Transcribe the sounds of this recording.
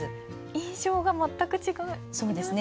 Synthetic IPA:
ɨ | ĩɰ̃ɕo̞ːɡamat̪ːakɯ̟t͡ɕiɡã | so̞ːd̪e̞sɨn

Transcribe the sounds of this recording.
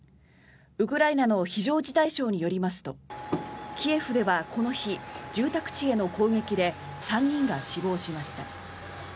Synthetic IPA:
ɯ̟kɯ̟ɾainano̞çiʑo̞ːd͡ʑit̪aiɕo̞ːɲ̟ijo̞ɾʲimasɨ̥t̪o̞ | kʲie̞ɸɯ̟d̪e̞βakʰo̞no̞çid͡ʑɨːt̪akɯ̟̥t͡ɕie̞no̞ko̞ːŋe̞kʲid̪e̞ | sãɲːĩŋɡaɕibo̞ːɕimaɕi̥t̪a

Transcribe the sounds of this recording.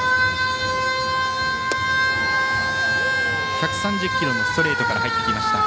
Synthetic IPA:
çakɯ̟̥sãɲ̟d͡ʑɨkʲːiɾo̞nost̪o̞ɾe̞ːt̪o̞kaɾahait̪ːekʲimaɕi̥t̪a

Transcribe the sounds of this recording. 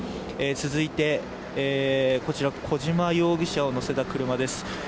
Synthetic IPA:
et͡sɨzɨit̪e̞ | eːko̞t͡ɕiɾakʰo̞ʑimajo̞ːɡʲiɕao̞no̞se̞t̪akɯ̟ɾɯ̟mad̪e̞sɨ̥

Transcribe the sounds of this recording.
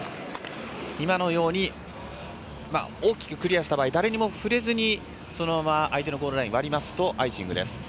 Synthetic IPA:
imano̞jo̞ːɲ̟i | ma̰oːkʲi̥kɯ̟̥kɯ̟ɾʲijaɕi̥t̪abaːid̪aɾe̞ɲ̟imo̞ɸɯ̟ɾe̞zɨɲ̟i | so̞nomamaʔːit̪e̞noɡo̞ːd̪ɯɾaĩβaɾʲimasɨ̥t̪o̞ʔaiɕḭ̃ŋɡɯ̟d̪e̞̰sɨ̥

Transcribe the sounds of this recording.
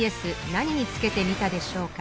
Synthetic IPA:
e̞sɨnaɲ̟iɲ̟it͡sɨ̥ke̞t̪e̞mʲit̪ad̪e̞ɕo̞ːka

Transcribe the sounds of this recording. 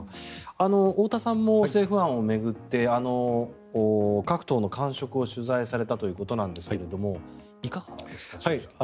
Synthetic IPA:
ano̞oːt̪asãmːose̞ːɸɯ̟ãɰ̃o̞me̞ɡɯ̟t̪ːe̞ano̞ː | kakɯ̟̥t̪o̞ːno̞kãɰ̃ɕo̞kɯ̟o̞ɕɨzaisaɾe̞t̪at̪o̞jɯ̟ːko̞t̪o̞nãnd̪e̞sɨ̥ke̞ɾe̞d̪o̞mo̞ | ikaɡḁesa

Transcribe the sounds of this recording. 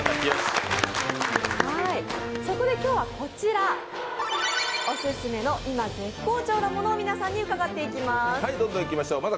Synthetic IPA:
akʲijos | haiso̞ko̞d̪e̞kʲo̞ːβako̞t͡ɕiɾa | osɨsɨme̞no̞ʔimaɡe̞kːo̞ːt͡ɕo̞ːnomo̞no̞ːmʲinasãɲ̟ːiɯ̟kaɡat̪ːe̞ikʲimasaid̪õ̞nd̪õ̞ikʲimaɕo̞ːmaza

